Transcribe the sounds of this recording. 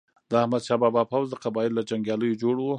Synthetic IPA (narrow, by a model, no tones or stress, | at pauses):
d̪əahmad̪ʃɑbɑbɑpawzd̪əqabɑjɪllad͡ʒaŋɡjɑləjod͡ʒoɽwo